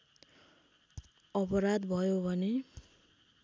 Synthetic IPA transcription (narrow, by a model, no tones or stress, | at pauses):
ʌpʌɾad̪bʱʌjobʱʌne